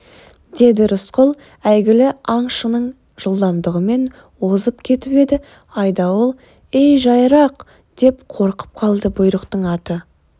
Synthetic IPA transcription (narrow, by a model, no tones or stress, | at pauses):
d̪e̞d̪ɪɾʊsqʊlˠ | æjɡʲɪlɪɑɴʃənəɴ | ʒ̥əlˠd̪ɑmd̪əʁəme̞n | wo̞zəpkʲʰe̞t̪ɪpe̞d̪ɪ | ɑjd̪ɑwolˠ | ejʒɑjɾɑq | d̪̥e̞pqʰo̞ɾqə̥p̚qʰɑlˠd̪əbʊjɾəqt̪əɴɑt̪ə